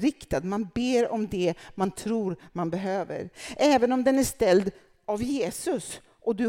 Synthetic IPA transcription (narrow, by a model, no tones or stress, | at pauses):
ɾɪkt̪ad̪manbeːɾɔmd̪ɛmant̪ʰɾuːɾmanbɛɦøːvə̰ɾʔɛːvənɔmd̪ɛnæʂt̪ɛld̪ | avjeːsɵs | ʔɔd̪ɵ